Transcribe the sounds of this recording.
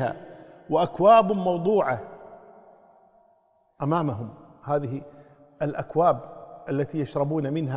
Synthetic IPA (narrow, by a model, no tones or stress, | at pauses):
ha̰ːwɪʔakwaːbmɑwd̪ˤuːʕa | ʔamaːmaɦʊmhaːðɪɦi | ʔɪlʔakwaːbʔalːat̪iːjaʃɾˤɑbuːnamɪnɦa